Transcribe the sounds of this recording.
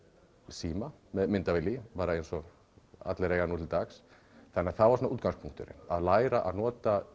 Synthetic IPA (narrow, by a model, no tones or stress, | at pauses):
siːmamɛðmɪnt̪avɪlːipaːɾaejnsɔ | a̰t̪lɪɾeːjɣanuːt̪ʰɪlt̪axs | θanːɪaðθaðvasɔnauːt̪kanskpʰuŋkt̪ʏɾɪ̰na̰ðlaːjɾaʔa̰ðnɔːt̪a